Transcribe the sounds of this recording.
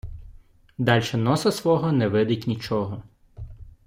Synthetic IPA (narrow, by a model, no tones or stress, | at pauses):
d̪ɑlʲʃɛnɔsɐsʋɔɦɔnɛʋɪd̪ɪtʲnʲit͡ʃɔɦɔ